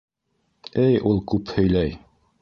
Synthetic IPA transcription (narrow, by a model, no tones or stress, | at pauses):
ɘjulˠkʉphɵ̆jlæj